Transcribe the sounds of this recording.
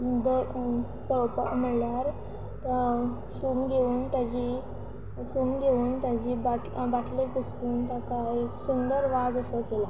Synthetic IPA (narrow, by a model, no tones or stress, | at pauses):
d̪ə | ppəm̤əɽljaɾ | t̪ə | sumɡʱeuːnt̪jad͡ʑi | suːmɡʱeuːnt̪jad͡ʑiːbaʈbaʈʰlekusʈuːnt̪akajksund̪əɾʋad͡zəsɔkela